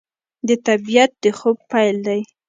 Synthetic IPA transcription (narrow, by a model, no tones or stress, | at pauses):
d̪ət̪abijat̪̚d̪əxob̚pajld̪aj